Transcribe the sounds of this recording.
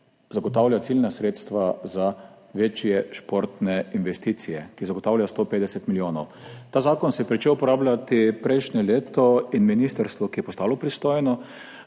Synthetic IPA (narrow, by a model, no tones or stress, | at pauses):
zaɡɔt̪aːwlʲjat̪silnasɾeːt̪st̪ʋaza | ʋeːt͡ʃjɛʃpoɾt̪nɛinʋɛst̪iːt̪sijɛkizaɡɔt̪aːwlʲjast̪oːpeːd̪ɛsɛt̪miljoːnɔwt̪aːzaːkɔnsɛjɛpɾit͡ʃewpɔɾaːblʲjat̪ipɾɛjʃnɛleːt̪ɔinminist̪əɾst̪ʋɔkijɛpɔst̪aːlɔpɾist̪oːjnɔ